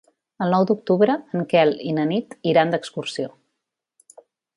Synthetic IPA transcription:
əlˠnɔwd̪uk̚t̪uβɾəːŋkɛlinənit̪iɾand̪əkskursio

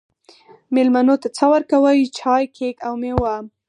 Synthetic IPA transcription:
melmanot̪at͡sawəɾkawəjit͡ʃʰɑjkʰekawmewam

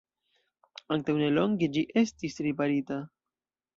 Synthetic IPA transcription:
aŋ̚tawneloŋɡed͡ʒiʔe̞stisɾipaɾita

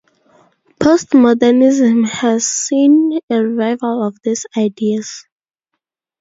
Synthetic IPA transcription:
pʰostmɔdənizə̃mhæz̥sĩnəɹivaɪvəlɔvðisaɪdiəz̥

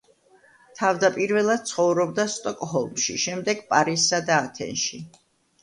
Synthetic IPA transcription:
t̪ʰavd̪apʼiɾvɛlˠad̪̥̚t̪sʰχɔvɾɔb̚d̪ast̪ʼɔkʼɦɔlˠmʃḭʃɛmd̪ɛɡpʼaɾisːad̪aːt̪ʰɛ̰nʃi

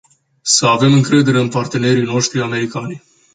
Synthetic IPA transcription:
səave̞mɨŋkɾe̞d̪e̞ɾe̞ɨnpart̪e̞ne̞ɾijno̞ʃt̪ɾiame̞ɾikanʲ

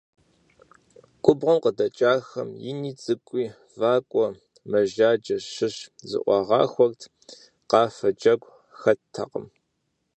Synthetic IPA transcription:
kʷʼʊbʁɐmqədɐt͡ʃʼaːxɐmjɪniːt͡sʼɨkʷʼiː | vaːkʷʼɔ | mɐʒaːd͡ʒɐɕɨɕzɨ̰ʔʷɑʁɑ̰ːxʷɔktʰ | qɑːfɐd͡ʒɐɡʷʼ | xɐtʰːɐ̰qə̰m

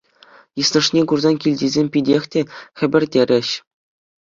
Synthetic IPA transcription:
jɯslɤ̆ʂnʲekurzɑnkʲilʲdʲizʲemʲpʲidʲexʲtʲexʲɘ̆bʲɘ̆rʲdʲeɾʲʔɘ̆ɕ

